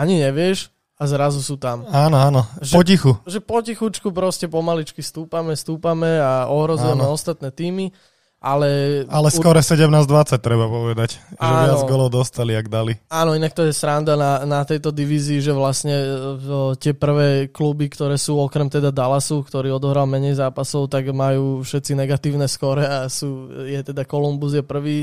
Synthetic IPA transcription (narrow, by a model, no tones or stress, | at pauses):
aɲiɲɛʋɪɛʃ | azɾazusuːt̪amaːnɔaːnɔʒpɔcixuʒɛpɔcixut͡ʃkupɾɔscɛpɔmalit͡ʃkist̪uːpamɛst̪uːpamɛaɔɦɾɔzuɛmɛɔst̪at̪nɛːt̪iːmi | ʔalɛalɛsukɔɾɛsɛɟɛmnaːzd̪ʋat͡sac̚t̪ɾɛbapɔʋɛd̪acʒaɛːʋɪaɔd͡zɡɔlɔʊd̪ɔst̪aliaɡd̪aliaːnɔinak̚t̪ɔjɛsɾand̪ananat̪ɛjt̪ɔd̪iʋiːziːʒɛʋlasɲɛ | t̪ɪɛpr̩ʋɛːklubikt̪ɔɾɛːsuːɔkɾɛmt̪ɛd̪ad̪alasukt̪ɔɾiːɔd̪ɔɦɾalmɛɲɛjzaːpasɔʊt̪aɡmajuːfʃɛt̪t͡sinɛɡat̪iːʊnɛskɔɾɛasuːjɛt̪ɛd̪akɔlumbuzjɛpr̩ʋiː